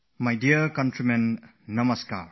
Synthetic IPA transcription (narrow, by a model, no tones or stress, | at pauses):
majdiɐɾkɐntɾimenː | ɐmɐska̰ɾ